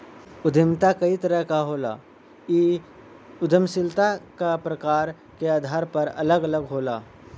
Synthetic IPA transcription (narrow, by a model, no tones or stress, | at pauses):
ʊd̪ʱəmt̪akɐit̪əɾəɦkaɦoːla̰ː | iː | ʊd̪ʱəmsɪlt̪akapɾəkaːɾ | keaːd̪ʱaːɾpɐɾɐ̰ləɡɐləɡɦoːlaː